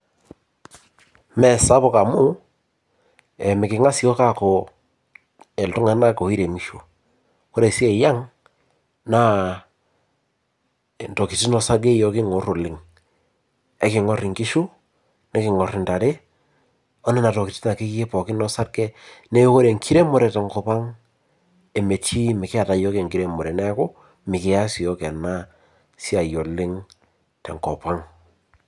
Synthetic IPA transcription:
mɛ˨sa˦pɔ˦˨ka˨mʊ˦ | ɛ˨mɪ˨kɪ˨ŋa˦sɪ˨ɔ˦ka˦ko˨ | ɛ˨ltʊ˦ŋa˨na˦ko˨i˦ɾe˨ŋi˦ʃu˨ | kɔ˦ɾe˨si˦e˨ja˦ŋ | na˦˨ | ntɔ˨ki˨ti˦nɔ˦sa˦ɡe˦jɔ˨˦kɪ˦ŋɔ˨ro˨lɪ˨ŋ | ɛ˦kɪ˨ŋɔ˦rɪ˨ŋki˦ʃu˦ | nɛ˦kɪ˨ŋɔ˨rɪ˨nta˨ɾe˦ | ɔ˦nɛ˦na˨tɔ˨ki˨ti̥˦ta˨kɪ˦kkɪ˦pɔ˨kɪ˦nɔ˦sa˦ɾɡɛ˦ne˦ko˦ɾe˨ŋkʰi˦ɾe˦mʊ˦˨ɾɛ˨tɛ˨ŋkɔ˨pa˦ŋ | e˨me˨t͡ʃi˦mɪ˨kɪ˦a˨ta˨jɔ˦ke˨ŋki˦ɾe˦mɔ˨ɾɛ˨nɛ˦kʊ˦ | mɪ˨kɪ˨a˦si˨ɔ˦kɛ˨na˦ | si˦a˨jo˨lɪ˦ŋ | tɛ˨ŋkɔ˨pa˦ŋ

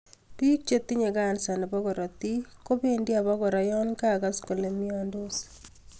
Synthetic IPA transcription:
pi˦k̚t͡ʃe˦t̪i˦ɲe˨ɡa˦˨nsa˨ne˨bɔ˦ɡɔ˨ɾɔ˨t̪i˦ko˦be˦ndja˨bɔ˦ɡɔ˨ɾa˨jɔ˦nka˦˨ɡa˦sko˨le˨mi˦ɔ˦ndo˦s

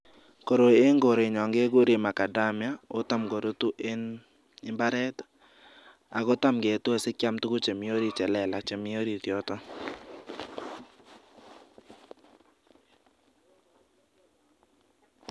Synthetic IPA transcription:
ko˨ɾo˨e˦ŋɡo˨ɾe˨ɲɔ˨ŋɡe˦ɡʊ˦ɾi˨ma˨ka˨da˦mja˦o˦ta˦mɡo˨ɾo˦t̪u˦ʔe˦n | ɪ˦mba˦ɾɛ˦t̪ | a̰˨ɡɔ˦ta˦mɡe˨t̪u˦a˨sɪ˦kja˦mt̪u˦ɡʊ˦t͡ʃe˨mi˨o˦ɾi˦t͡ʃɛ˨lɛ˨la˨t͡ʃe˨mi˦o˦ɾi˨t̪jɔ˦t̪ɔ˦

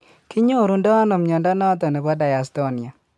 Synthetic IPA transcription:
kɪ˦ɲo˦˨ɾu˨ndɔ˦a˦no˨mɲɔ˨nda˦nɔ˦t̪ɔ˨nɛ˨bɔ˦da˨ja˨st̪o˦ni˨a˨

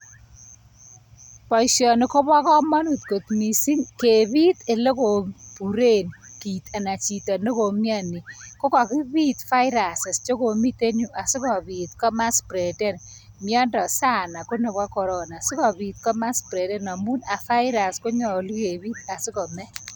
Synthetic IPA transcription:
pɔ˨iʃjɔ˨nɪ˨ko˦ba˦kɔ˦mɔ˦nu˨t̪̚ko˨t̪mi˨si˦ŋke˨bi˦te˨le˦ko˨pu˨ɾe˦˨nki˨t̪a˨na˨t͡ʃi˨tɔ˨no˦ko˨mja˦ni˨ko˦ka˨ki˦bi˦t̪fa˦ɪɾa˨sɛ˨st͡ʃo˦ko˨mi˦te˦ɲu˨ʔa˨si˦kɔ˨bi˨t̪̚kɔ˦ma˦spɾe˨dɛ˦˨n | mjɔ˦ndɔ˨sa˦na˨ko˦ne˨bwa˦kɔ˨ɾɔ˦na˨sɪ˦kɔ˨bi˨t̪̚kɔ˦ma˦spɾɛ˨dɛ˦nɔ˨mu˦na˨fa˦ɪɾa˨sko˦ɲɔ˨li˦ke˨biː˦t̪̚a˨si˦kɔ˨mɛ˦

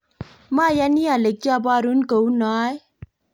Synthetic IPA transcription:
ma˦ja˦ni˦a˨le˨kja˦ba˦ɾu˦nkə˨u˦na˦j

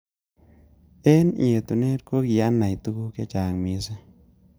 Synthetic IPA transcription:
e˦nḭ˨e˨t̪u˨ne˦ɾko˦ki˨ja˦na˨jt̪u˦ku˦ke˦t͡ʃa˨ŋmi˧˦se˦

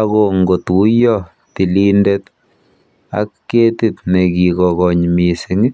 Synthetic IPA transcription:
ako˨ŋɡo˨tu˦jɔ˦ | ti˨lindet | a̰˦kːeː˦tit̪̚ne˨kikɔɣɔ˨ɲmisiŋi

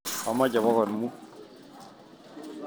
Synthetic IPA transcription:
a˨ma˦ɟa˨bɔ˦kɔ˨nmu˦

